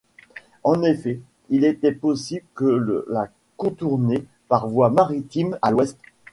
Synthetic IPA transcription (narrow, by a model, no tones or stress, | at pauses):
ɑ̃nefɛ | ilet̪ɛpɔsibləkələ̰la | kɔ̃t̪uʁne | paʁvwamaʁit̪imalwɛst̪